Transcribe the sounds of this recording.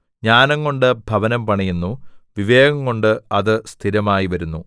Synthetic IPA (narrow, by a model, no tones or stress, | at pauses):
ɲaːnɐŋːo̞ɳɖɨbʱɐʋɐnɐmpɐɳɐjunːuʋiʋe̞ːɡɐŋːo̞ɳɖɨɐðɨst̪ʰiɾɐmaːjiʋɐɾunːu